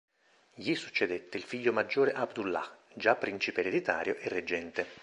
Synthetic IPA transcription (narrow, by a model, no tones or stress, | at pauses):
jisut͡ʃːed̪et̪ːeilfiʎːomad͡ʒːoːɾeʔabd̪ulːa̰d͡ʒapːɾint͡ʃipeɾed̪it̪a̰ːɾjoʔerːed͡ʒːɛnt̪e